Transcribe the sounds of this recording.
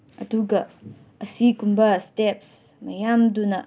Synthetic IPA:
ɐduɡɐ | ɐsikumbɐstɛps | mɐjamdunɐ

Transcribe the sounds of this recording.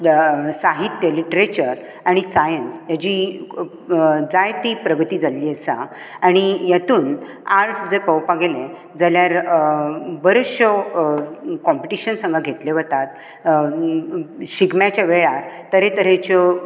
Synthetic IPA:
saɦit̪ːjəliʈɾet͡ɕəɾ | aɽ̃isajənsjad͡ʑi | d͡zajt̪ipɾəɡʱət̪iːd͡zaliːəsa | aɽ̃ijat̪uːn | aɾʈsd͡zəɾpəwpaɡelẽ | d͡zaljaɾ | bəɾəɕɔ | kɔmpiʈiɕənsə̃ŋɡaɡʱet̪leʋət̪at̪ | ɕiɡmjat͡ɕjaʋeɭaɾt̪ːəɾẽt̪əɾẽt͡ɕɔ

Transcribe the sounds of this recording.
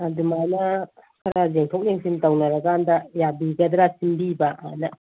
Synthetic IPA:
adumanɐkʰɐɾazeŋtʰowk̚neŋsʰintawnɐɾɐɡaːndɐjabiɡɐd̪ɾasimbibaʔa̰nɐ

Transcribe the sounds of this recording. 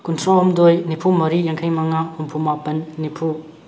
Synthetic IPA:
kunsʰɔɦumdojnipʰumɐɾijaŋkʰajmaŋaumpʰumapɐnːipʰu

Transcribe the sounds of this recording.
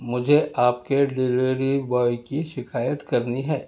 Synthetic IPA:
mʊd͡ʒʱeʔaːp̚kelɪɾeɾibɔːjkiʃɪkʰaːjət̪kɐɾniɦɛː

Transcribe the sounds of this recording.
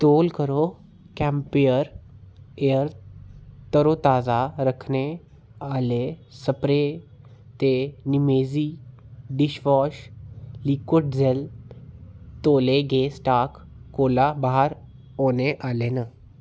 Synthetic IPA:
t̪oːlkəɾo | kɛ̃mpijəɾ | eəɾ | t̪əɾot̪aːd͡zaɾəkʰne | alesəpɾe | t̪enimed͡ziː | ɖiɕʋɔɕlikoʈd͡zel | t̪oleɡesʈak | kolabaɦəɾ | oneʔalena

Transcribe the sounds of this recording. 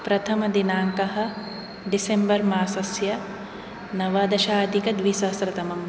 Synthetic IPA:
pɾɐt̪ʰɐmɐd̪inaːŋkɐɦɐ̆ | ɖisembɐɾmaːsɐsjɐ | nɐʋɐːd̪ɐʃaːɐd̪ʱikɐd̪ʋisɐsɾɐt̪ɐmɐm

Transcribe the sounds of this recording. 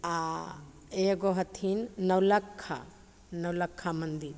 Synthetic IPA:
a | eɡɔɦɐt̪ʰinːɐwlɐkʰːa̰ | nɐwlɐkʰːamɐnd̪i

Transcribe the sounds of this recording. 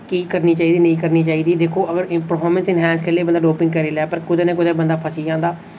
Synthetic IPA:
kiːkəɾniːt͡ʃaːiːd̪iːnəĩːkəɾniːt͡ʃaːiːd̪iːd̪eːkʰːoːʔəɡəɾɪpɾfʰɔːɾmə̃nsɪnɦɛ̃ːnskəɾleːbənd̪aːɖoːpɪ̃ŋɡkəɾiːlɛːpəɾkʊd̪eːnẽːkʊd̪eːbənd̪aːpʰəsiːd͡ʒãːnd̪aː

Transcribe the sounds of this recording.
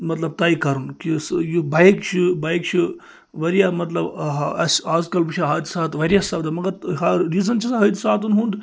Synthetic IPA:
mɐt̪lɐb̚t̪ɐːjikɐɾunkisjubajkt͡ʃʰibaːjkt͡ʃʰi | ʋɐɾjaːmɐt̪lɐbɦɐsaːzkɐlbɨt͡ʃʰaɦɐːd̪ʲsaːt̪ʋɐɾʲjasɐbd̪ɐmɐɡɐɾɦɐɾːiːzɐnt͡ʃʰisaɦɐt̪ʲsaːt̪unɦund̪

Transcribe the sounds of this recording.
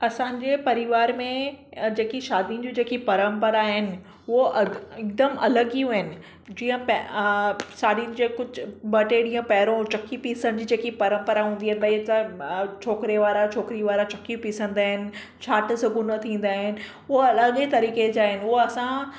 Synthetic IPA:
ɐsãːɲ̆d͡ʑeːpɐɾɪʋaːɾmẽd͡ʑeːkiʃaːd̪ijʊnɪ̆d͡ʑũd͡ʑeːkipɐɾə̃mpəɾaɦɪnɪ̆ | ʊoʔɐɪk̚d̪əmɐləɡijũɦɪnɪ̆ | d͡ʑiːə̃p | saːdinɪd͡ʑekʊd͡ʑʊbɐʈeɽĩːə̃pɐɦɪɾõt͡ɕɐkːipiːsəñɪd͡ʑiːd͡ʑeːkipɐɾə̃mpəɾaɦũːnd̪iaɦɪnɪbɐiat͡ɕʰoːkɾeʋaːɾat͡ɕʰoːkɾiʋaːɾat͡ɕɐkːiupiːsə̃nd̪aːɦɪnɪ̆ | t͡ɕʰaːʈsɐɡunɐt̪ʰĩːn̆d̪aːɦɪnɪ̆ | ʊoɐləɠt̪ɐɾiːked͡ʑaːɦɪnɪʊɦoɐsã

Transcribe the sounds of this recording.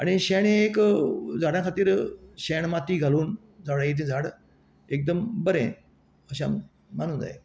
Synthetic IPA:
aɽiɕeɳ̃ẽekd͡zʱaɽjãkʰat̪iːɾɕeɳmat̪iːɡʱaluːn | d͡zʱaʋɽajit̪̬ĩd͡zʱaɽ | ek̚d̪əmbəɾḛ̃ | əɕ̬a̰m | manũːnd͡za̰ɦe

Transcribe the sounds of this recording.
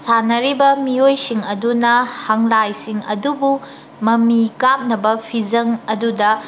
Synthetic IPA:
sanɐɾibɐmiojsiŋɐdunɐhaŋlajsiŋɐ̰dubu | mɐmikap̚nɐbɐpʰizɐŋɐdudɐ

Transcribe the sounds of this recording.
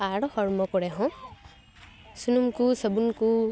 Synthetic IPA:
aɽɔhɔɹmɔkɔɹɛɦɔ̃ | sunumkusəbunku

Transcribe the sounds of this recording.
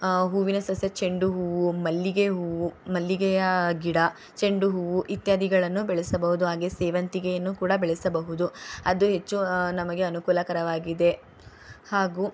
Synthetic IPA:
ɦuːʋinɐsɐsjɐt͡ʃe̞ɳɖuɦuːʋumɐlːiɡeɦuːʋumɐlːiɡɛjɐɡiɽɐ | t͡ʃe̞ɳɖuɦuːʋuʔit̪jaːd̪ʱiɡɐɭɐnːubɛɭɛsɐbɐɦud̪uɦaːɡeseːʋɐnt̪iɡejɐnːukuːɽɐbeɭɛsɐbɐɦud̪uɐd̪uɦe̞t͡ʃːunɐmɐɡe̞ɐnukuːlɐkɐɾɐʋaːɡid̪e̞ | haːɡu

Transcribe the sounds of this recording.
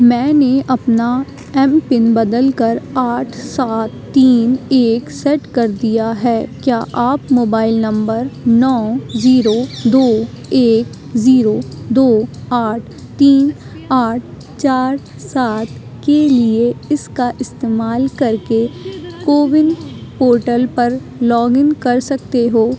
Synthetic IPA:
mɛ̃ːneʔɐpna | ɛ̃ːmpɪnbɐd̪əlkəɾaːʈʰsaːt̪ːiːneːksɛʈkɐɾd̪ijaɦɛːkjaːʔaːpmoːbaːɪlnɐ̃mbəɾnɔ̃ːziːɾod̪oː | eːk | ziːɾod̪oːaːʈʰ | t̪iːn | aːʈ̚ʰ | t͡ʃaːɾ | saːt̪ | kelieɪskaʔɪst̪eːmaːlkɐɾkekoːʋɪnpoːɾʈəlpɐɾ | lɔːɡɪ̃ŋɡkɐɾsɐk̚t̪eɦoː

